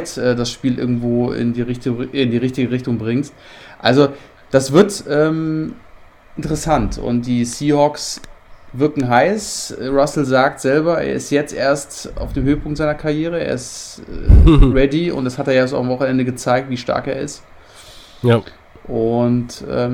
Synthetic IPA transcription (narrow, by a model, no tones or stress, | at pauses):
tʔɛːdasʃpiːlʔɪɐɡŋ̩tv̥oːɪ̰ndiːʁɪçtɪndiːʁɪçtɪɡəʁɪçtʊŋbʁɪŋt | ʔa̰lzo | d̥asv̥ɪɐtɛːm | ʔɪntəʁɛsantʰʊ̰ntd̥iːsiːhɔksvɪɐkŋ̩ɦaɪsʁasl̩zaːk̚tz̥ɛlbɐḛːɐɪstjɛt͡stʔḛːɐsta̰ʊfd̥eːmhøːəpʰʊŋktz̥aɪnɐkʰaɐʁjeːʁ̞əeːɐɪstː | ʁɛdiʊ̰ntd̥ashateːɐjas̬ʊ̰amvɔχn̩ɛndəɡət͡saɪk̚tv̥iːʃta̰ɐkḛːɐɪ̰st | ʔʊntʔɛ̰ːm